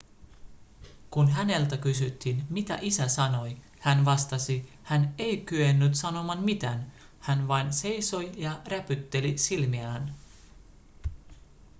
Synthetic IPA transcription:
kunɦæne̞lt̪ækysyt̪ːinmit̪æ̰ʔisæsɑno̞j | hænʋɑst̪ɑsi | hæne̞jkyenːyt̪sɑno̞mɑnmit̪æːn | hænʋɑjnse̞jso̞jjɑræpyt̪ːe̞lisilmiæn

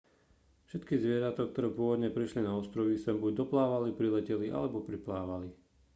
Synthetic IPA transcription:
fʃɛt̪kizʋɪɛɾat̪ɔk̚t̪ɔɾɛːpʊɔʋɔd̪ɲɛpɾiʃlinaɔst̪ɾɔʋisɛmbuɟ̚d̪ɔplaːʋalipɾilɛcɛliʔa̰lɛbɔpɾiplaːʋali

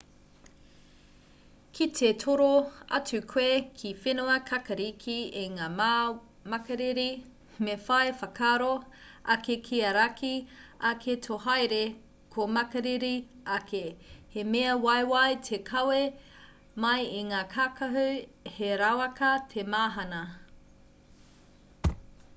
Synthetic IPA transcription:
kʰit̪ʰetʰoɾoɐ̰t͡sʉkʰweːkʰifenoɐkʰɐkɐɾikʰiiŋaːm | mɐkɐɾiɾi | mefɐefɐkʰaːɾo | ɐkekʰiɐɾakʰiɐkʰetʰoɦɐjɾe | kʰomɐkɐɾiɾi | ɐkʰehemeɐwɐjwɐjtʰekʰɐwe | mɐjiŋaːkʰakɐɦʉheɾawɐkɐtʰemaːɦɐnɐ

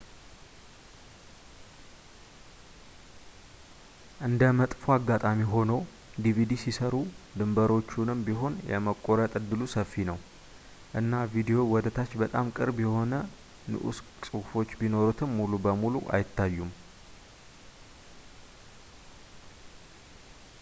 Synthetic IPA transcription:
ʔɨnd̪əmət̪ʼfoaɡːat̪ʼamiɦo̞nəw | d̪ivid̪isisəɾud̪ɨmbəɾo̞t͡ʃːunɨmbiɦo̞njɛ̰məkʼːoɾət̪ʼɨd̪ːɨlusəfːinəw | ʔɨnːavid̪ijo̞wɔd̪ət̪ʰat͡ʃːbət̪ʼa̰mkʼɨɾbjɛho̞nə | nɨ̰ʔṵs | sʼɨwfo̞t͡ʃːbino̞ɾut̪ʰɨmːulubəmuluʔa̰jɪt̪ːajːum

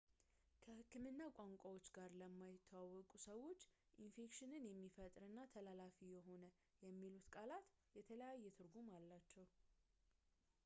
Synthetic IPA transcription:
kʰəhɨkːɨmɨnːakʼaŋkʷʼawot͡ʃːɡaɾləmːajɪt̪ʰːawawːɔkʼusəwo̞t͡ʃː | ʔinfe̞kʃɪnɨnjɛmːifət̪ʼɾɨnːat̪ʰəlalafijɛɦo̞nə | jɛmːilut̪kʼalat̪jɛt̪ʰələjajːɛt̪ʰɨɾɡumalːat͡ʃːɛw

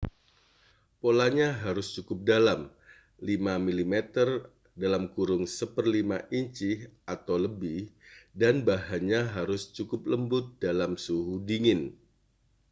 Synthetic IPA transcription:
polaɲaɦaɾʊst͡ʃukʊp̚dalam | limamilimɛt̪ər | dalamkuɾʊŋsəpərlimaʔiɲt͡ʃɪhʔat̪awləbɪhdanbaɦaɲaɦaɾʊst͡ʃukʊp̚ləmbʊt̪̚dalamsuɦudiŋɪn

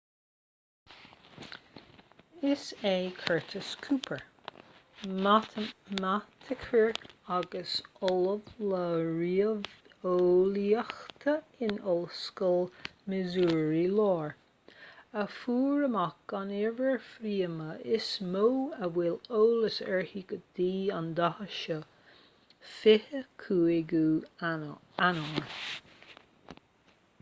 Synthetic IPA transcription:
ɪsekʰɛɹt̪ʰəskʰuːpʰəɹ | amat̪ʰɪkʰəɹaɡəsɔləvləɹiə | oliəxt̪ʰəɪnɔlskəlmɪzuːɹilɔːɹ | əfuːɹəmakanɛvəɹfɾiːəməʔɪsmowəwɪloːləsɛɹhiɡəd̪̥iːand̪ahəʃə | fɪhəkʰuːɪɡuː | anɔŋə

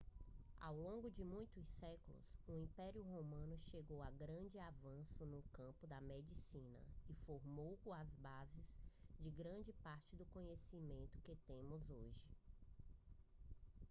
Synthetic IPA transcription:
a̰wlõɡʊd͡ʒɪmũj̃t̪ʊsɛkʊlʊ̰sʊĩpɛɾiʊɦomɐ̃nʊʃeɡowaɡɾɐ̃d͡ʒɪavɐ̃sʊnʊkɐ̃pʊd̪ɐmed͡ʒisĩnɐ̰ifoɾmowkõɐzbazɪz̥d͡ʒɪɡɾɐ̃d͡ʒɪpaɾt͡ʃɪd̪ʊkõɲesimẽnt̪ʊ̥kɪt̪ẽmʊzoʒɪ

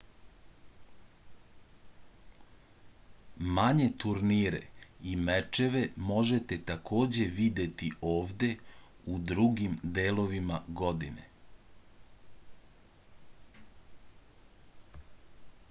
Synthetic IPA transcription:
maɲe̞t̪uɾniːɾḛimet͡ʃeʋe̞mo̞ʒet̪e̞t̪akʰo̞ːd͡ʑe̞ʋid̪e̞t̪iʔo̞ːʋd̪e̞ | ud̪ɾuɡimd̪eːlo̞ʋimaɡo̞d̪ḭnḛ

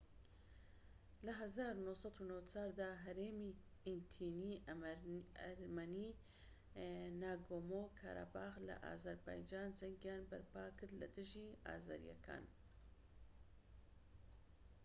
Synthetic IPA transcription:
lɐɦɐzaːɾunohsɑd̪unowt͡sʰaːɾd̪aːɦɛɾeːmiː | int̪ʰiːniː | ɾmaniː | naːɡoːmoːkʰa̰ːɾa̰baːxlɐ̰ʔa̰ːzɐɾba̰ːjd͡ʒaːndɛŋɡjaːnbɐ̰ɾpaːkʰɨɾd̪lɐ̰d̪ɨʒiːa̰ːza̰ːɾḭjɛ̰kʰa̰ːn

